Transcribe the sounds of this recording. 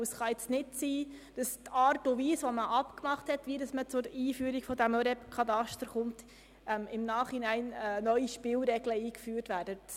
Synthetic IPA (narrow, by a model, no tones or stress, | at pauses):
əsχɑɪt͡stnɪtsiːd̥ɑst̪ɑːɾtuviːsʋoməʔɑpkmɑχthɛtʋiːdɑsmət͡sʊɾiːfyːɾiɡ̥fɔdæmɔɾɛpkʰɑdɑʃtəɾχʊnt | ʔɛmɪmnɑːχinæɪnɛnœʏiʃpɪlɾɛɡləiːkfyːɾtʋæːɾdət